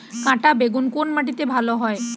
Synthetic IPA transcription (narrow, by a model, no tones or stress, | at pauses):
kãʈabeɡunkonmaʈ̬it̪ebʱaloɦɔe